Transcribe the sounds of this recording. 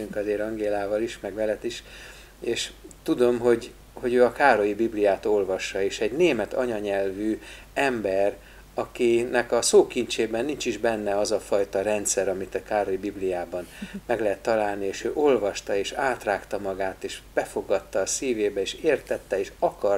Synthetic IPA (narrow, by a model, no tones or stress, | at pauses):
yŋkɒzeːɾɒŋɡeːlaːvɒliʃmɛɡʋɛlɛt̪iʃ | eːʃt̪ud̪o̞mɦo̞ɟ | ho̞ɟøːɒkaːɾo̞jibiblijaːt̪o̞lvɒʃːɒeːʃɛɟneːmɛt̪ɒ̰ɲɒɲɛlvyː | ɛmbɛr | ɒkinɛkɒsoːkint͡ʃeːbɛnːint͡ʃiʒbɛnːɛɒzɒfɒjt̪ɒɾɛnt̪sɛɾɒmit̪ɒkaːɾo̞jibiblijaːbɒnmɛɡlɛɦɛt̪ːɒlaːlnieːʃøːʔo̞lvɒʃt̪ɒeːʃaːt̪raːkt̪ɒmɒɡaːt̪eːʃb̥ɛfo̞ɡɒt̪ːɒːsiːveːbɛeːʃeːrt̪ɛt̪ːɛeːʃɒkɒr